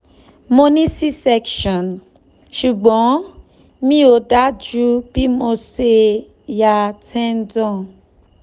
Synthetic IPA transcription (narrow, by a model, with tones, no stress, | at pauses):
mo˧nĩ˦si˦sɛ˧kʃɔ̃˨n | ʃu˨ɡ͡bɔ̃˨˦ | mĩ˦o˨da˦d͡ʒu˦b̥i˦mo˧se˧ | ja˨tʰɛ̃˦n˦dɔ̃˦˨